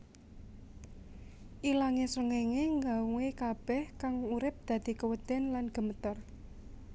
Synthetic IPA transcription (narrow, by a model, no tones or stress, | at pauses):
ʔilaŋesəŋeŋeŋɡawuwekab̥ɛhkaŋuɾɪp̚d̪̥ä̤d̪̥i̤kəwəd̪̥ɛ̤nlanɡ̥ə̤mət̪ər